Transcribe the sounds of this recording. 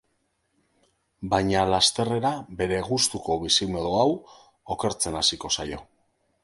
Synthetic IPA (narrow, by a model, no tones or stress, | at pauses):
bajɲalast̪e̞re̞ɾabe̞ɾe̞ɣust̪uko̞βisimoðuaw | o̞ke̞ɾt͡se̞nasiko̞sajo̞